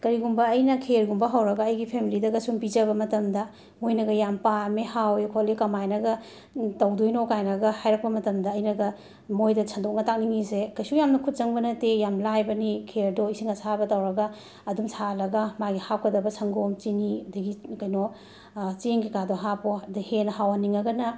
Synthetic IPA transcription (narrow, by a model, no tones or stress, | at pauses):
kɐɾiɡumbɐːjnɐkʰeɾɡumbɐɦawɾɐɡɐɐjɡipʰemilidɐɡɐsumpid͡ʒɐbɐmɐtɐmdɐ | mojnɐɡɐjampamehawkʰolikɐmajnɐɡɐ | tɐwdojnokajnɐɡɐhajɾɐk̚pɐmɐtɐmdɐːjnɐɡɐ | mojdɐsʰɐndok̚nɐtak̚niŋizekɐjsujamnɐkʰut̚zɐŋbɐnɐtejamlajbɐnikʰeɾdoisiŋɐsabɐtɐwɾɐɡɐː | dumsʰalɐɡɐmaɡihap̚kʰɐdɐbɐsʰɐŋɡomt͡ʃinidɐɡikɐjno | t͡ʃeŋkikadoɦapodhenɐhawaniŋɐɡɐnɐ